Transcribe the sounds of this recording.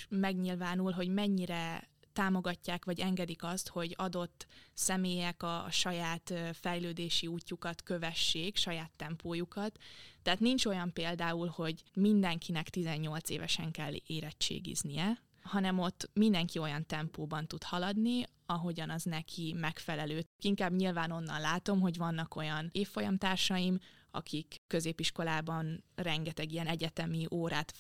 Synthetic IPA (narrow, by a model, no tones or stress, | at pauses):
mɛɡɲilvaːnulɦo̞ɟmɛɲːiɾɛt̪aːmo̞ɡɒcːaːkʋɒɟɛŋɡɛd̪ikɒst̪ho̞ɟɒd̪o̞t̪ːsɛmeːjɛkɒʃɒjaːt̪fɛjløːd̪eːʃiuːcːukɒt̪kø̞vɛʃːeːkʃɒjaːt̪ːɛmpoːjukɒt̪ːɛɦaːt̪nint͡ʃo̞jɒmpeːld̪aːulho̞ɟmind̪ɛŋkʰinɛkt̪izɛɲːo̞lt̪sḛːvɛ̰ʃɛŋkɛlːeːɾɛt͡ʃːḛːɡḭznijɛ | hɒnɛmo̞t̪ːmind̪ɛŋkio̞jɒnt̪ɛmpoːbɒnt̪ut̪hɒlɒd̪ni | ɒɦo̞ɟɒnɒznɛkʰimɛkfɛlɛløːkiŋkaːbɲilvaːno̞nːɒ̰nlaːt̪o̞mɦo̞ɟʋɒnːɒko̞jɒneːfːo̞jɒmt̪aːrʃɒjimɒ̰kʰikːø̞zeːpiʃko̞laːbɒnrɛŋɡɛt̪ɛɡijɛnɛɟɛt̪ɛmiʔoːɾaːt̪